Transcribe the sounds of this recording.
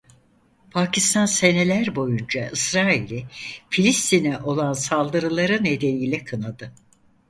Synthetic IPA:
pʰacist̪ʰanse̞ne̞lʲæɾbo̞jund͡ʒaʔɯsɾaːilʲifilʲist̪ʰinɛʔo̞lˠansalˠd̪ɯɾɯlˠaɾɯne̞d̪e̞niːlʲɛkʰɯnad̪ɯ

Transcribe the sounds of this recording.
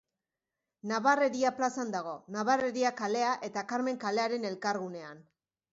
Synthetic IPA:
naβare̞ɾiaplasand̪aɣ̞o̞naβareɾiakale̞aʔe̞t̪akaɾme̞ŋkale̞aɾe̞ne̞lkaɾɣune̞an

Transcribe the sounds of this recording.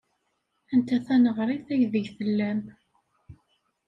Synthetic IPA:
ænt̪æθænəʁɾˤiθæʝðəʝθəlːæm

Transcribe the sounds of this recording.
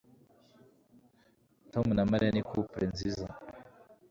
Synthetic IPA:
tomunamaɾianikʰupɾenziza

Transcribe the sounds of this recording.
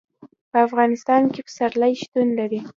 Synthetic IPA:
pəafɣɑnɪst̪ɑnkepə̥saɾlajʃt̪unlaɾi

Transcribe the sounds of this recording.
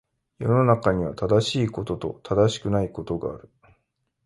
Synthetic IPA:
jo̞no̞nakaɲ̟iβ̞at̪ad̪aɕiːko̞t̪o̞t̪o̞̰t̪ʰad̪aɕi̥kɯ̟naiko̞t̪o̞ɡa̰ːɾɯ̟

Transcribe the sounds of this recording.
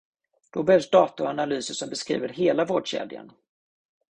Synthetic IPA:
d̪̥ɔbɛhɛvsd̪ɑːt̪ʊanalyːsəʂɔmbɛskɾḭːvəɾɦeːlavoːɖɕḛːd̪ɪə̰n

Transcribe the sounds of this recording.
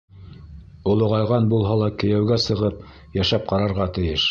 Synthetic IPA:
ŏlˠŏʁɑjʁɑnbulˠɦɑlˠɑkɘ̆jæwɡæsɤ̆ʁɤp̚ | jæʃæp̚qɑɾɑɾʁɑt̪ɘ̆jɘʃ

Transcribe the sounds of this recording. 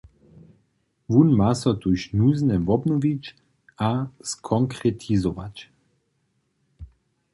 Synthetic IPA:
ʋunmasɔt̪uʃnuznɛʋɔbnɔvit͡ʃ | askʰɔŋkɾɛt̪ʰizɔʋa̰t͡ʃ

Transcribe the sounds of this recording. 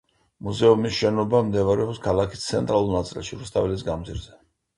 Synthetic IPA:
muzɛumisʃɛnɔbamd̪ɛvaɾɛɔpskʰalˠakʰi̥st̪sʰɛnt̪ʼɾalˠulˠnat̪sʼḭlˠʃiɾust̪ʰʼavɛlis̬ɡamd̪ziɾzɛ

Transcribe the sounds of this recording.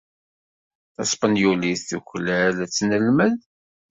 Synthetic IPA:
θɑ̰sˤpənjuliθθuçlælæt͡sːnəlməð

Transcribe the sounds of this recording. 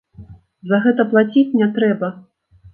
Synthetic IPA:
zɐɣɛt̪ɐplˠat͡sʲit͡sʲnʲɛt̪ɾɛbɐ

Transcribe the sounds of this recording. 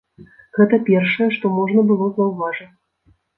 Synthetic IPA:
ɣɛt̪ɐpʲɛrʂɐjɛʂt̪ɔmɔʐnɐbɨlˠɔzɐwvaʐɐ

